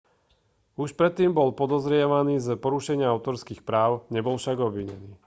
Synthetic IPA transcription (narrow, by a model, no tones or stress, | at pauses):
uʃpɾɛt̪ːiːmbɔlpɔd̪ɔzɾɪɛʋaniːzəpɔɾuʃɛɲɪaaʊt̪ɔɾskiːxpɾaːʊɲɛbɔlfʃaɡɔbʋiɲɛ̰niː